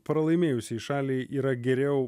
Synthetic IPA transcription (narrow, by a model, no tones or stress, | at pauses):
pɾɐlˠɐɪmʲeːjʊsʲɪʃɑːlʲiːʔiːɾɐɡʲɛɾʲɛʊ